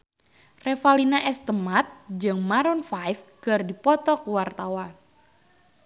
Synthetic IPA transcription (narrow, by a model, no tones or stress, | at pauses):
rɛfalinaʔɛst̪əmat̪̚d͡ʒɨŋmaɾɔnfajfkərdipɔt̪ɔkuwart̪awan